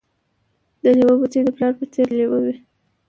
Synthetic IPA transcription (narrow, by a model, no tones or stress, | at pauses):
d̪əniwəbut͡sed̪əplɑɾpət͡seɾlewəwi